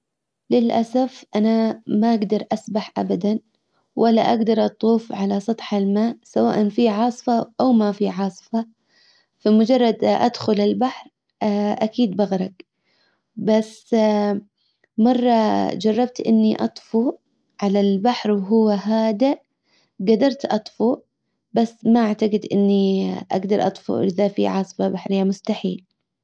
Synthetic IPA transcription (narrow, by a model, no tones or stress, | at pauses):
lɪlʔasafʔanamaʔaɡd̪ɑɾˤʔasbaħʔabad̪an | wʔalːa̰ʔaɡd̪ɑɾˤʔɑt̪ˤuːfʕalasˤɑt̪ˤħalmaːʔsawa̰ːʔanfiʕɑːsˤfɑʔawmafiʕɑːsˤfɑ | famʊd͡ʒɑrˤːɑd̪ʔa̰d̪xʊlɪlbaħɾ | ʔakiːd̪̚baɣɾˤɑɡ | bas | mɑrˤːɑd͡ʒɑrˤːɑb̚t̪ʔɪ̰nːiʔɑ̰t̪ˤfu | ʕalalbaħɾwɦʊwːaɦaːd̪a | ɡad̪ɑɾˤt̪ʔɑt̪ˤfu | basːmaʔaʕt̪aɡɪd̪ʔɪnːiʔa̰ɡd̪ɑɾˤʔɑt̪ˤfṵʔɪðafḭʕɑːsˤɨ̥fɑbaħɾɪjːamʊst̪aħḭːl